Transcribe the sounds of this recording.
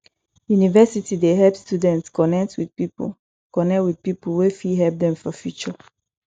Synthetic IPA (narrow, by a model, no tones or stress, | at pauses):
junivɛsitideɦɛpstjudɛ̃ntskɔnɛk̚twidpḭ | kɔnɛkwid̥̚piplwefiɦɛlp̚dɛ̃mfɔfjut͡ʃɔ